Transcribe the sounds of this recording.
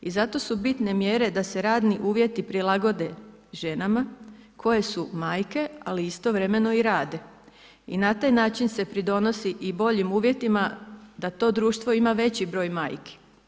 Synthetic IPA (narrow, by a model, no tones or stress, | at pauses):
izat̪o̞subit̪ne̞mjeɾe̞d̪ase̞ɾaːd̪niʔuːʋje̞t̪ipɾilˠaɡo̞d̪e | ʒe̞nama | kʰo̞je̞sumaːjke̞aliist̪o̞ʋɾe̞me̞no̞iɾaːd̪e̞ | inat̪aːjnaːt͡ʃinse̞pɾid̪o̞no̞siʔibo̞ʎimuːʋje̞t̪imad̪at̪o̞ːd̪ɾuːʃt̪ʋo̞imaʋe̞t͡ɕibɾo̞ːjma̰ːjke̥